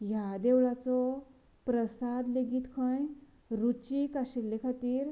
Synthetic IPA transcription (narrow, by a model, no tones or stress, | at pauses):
jad̪ewɭat͡sɔ | pɾəsad̪leɡiːt̪kʰãj | ɾut͡ɕikaɕelːekʰat̪iːɾ